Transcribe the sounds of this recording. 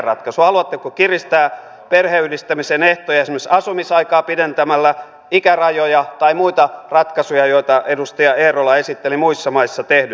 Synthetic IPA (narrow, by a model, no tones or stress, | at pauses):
rɑt̪kɑsuhɑluɑt̪ːekokirist̪æː | perheydist̪æmiseneht̪ojɑjesemːøsɑsumisɑikɑːpident̪æmælːæ | ikærɑjojɑt̪ɑimuit̪ɑrɑt̪kɑsujɑjoit̪ɑʔedust̪ɑjɑeːrolɑesit̪ːelimuisːɑmɑisːɑt̪ehdy